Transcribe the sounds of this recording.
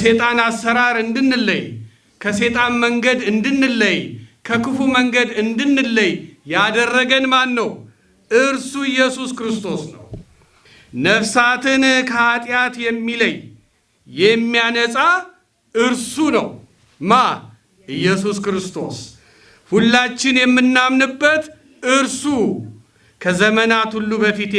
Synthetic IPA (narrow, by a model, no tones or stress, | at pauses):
se̞t̪ʼanasːəɾaɾɨnd̪ɨnːɨlːəj | kʰəse̞t̪ʼanməŋɡəd̪ɨnd̪ɨnːɨlːəjkʰəkʰɨfuməŋɡəd̪ɨnd̪ɨnːɨlːəjjad̪ərːəɡənmanːəw | ʔɨɾsuɨjːɛsuskɾɨst̪ʰo̞snəw | nəfsat̪ʰɨnkʰəat̪ʼjat̪jɛmːiləjː | ɛmːijanəsʼa | ʔɨɾsunə̰w | ma | ʔɨjːɛsuskɾɨst̪ʰo̞̰s | hulːat͡ʃːɪnjɛmːɨnːamnɨbːət̪ | ʔɨɾsu | kʰəzəmənat̪hulːubəfit̪